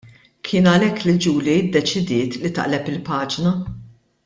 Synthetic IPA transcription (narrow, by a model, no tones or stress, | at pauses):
kʰɪːnɐlɛkːlid͡ʒuːliɪd̪ːɛt͡ʃɪd̪ɪːt̪lit̪ɐ̰ʔlɛpɪlpɐːd͡ʒnɐ